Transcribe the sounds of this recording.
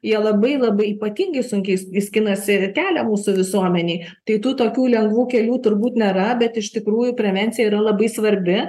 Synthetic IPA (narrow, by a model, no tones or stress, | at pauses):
jiɛlˠɐbɐɪlˠɐbɐɪiːpɐt̪ʲiŋɡɐɪsʊŋʲkʲɛɪisʲkʲɪnɐsʲɪkʲæːlʲɛmuːsʊʋʲɪsuɔmʲɛnʲeɪ | t̪ɐɪt̪uːt̪oːkʲuːlʲɛŋɡʋuːkʲɛlʲuːt̪ʊɾbuːt̪nʲeːɾɐbʲɛt̪ɪʃt̪ʲɪkɾuːjʊpʲɾʲɛʋʲɛnʲtsʲɪjɛiɾɐlˠɐbɐɪsʋɐɾʲbʲɪ